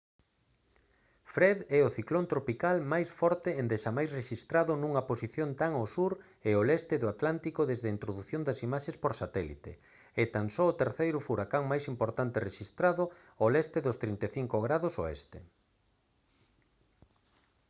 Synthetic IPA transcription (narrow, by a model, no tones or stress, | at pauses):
fɾɛðɛʊθiklont̪ɾopikalmajsfɔɾt̪eend̪eʃamajsreʃist̪ɾaðʊnũŋɐposiθjont̪aŋosuɾ | eolɛst̪eðʊat̪lant̪ikoðezðeɐint̪ɾoðuθjond̪ɐsimaʃespoɾsat̪ɛlḭt̪ḛ | ɪt̪aŋsɔot̪eɾθejɾʊfuɾakaŋmajsimpoɾt̪ant̪ereʃist̪ɾaðʊ | olɛst̪eðʊst̪ɾint̪eθiŋkoɣɾaðoso̰ḛst̪e